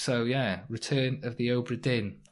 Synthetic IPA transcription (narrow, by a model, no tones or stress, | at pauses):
sowjæɹɪtʰɜːnəvðioʊbɹədɪn